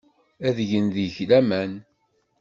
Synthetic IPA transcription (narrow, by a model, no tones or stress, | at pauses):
æðʝənðiçlæmæn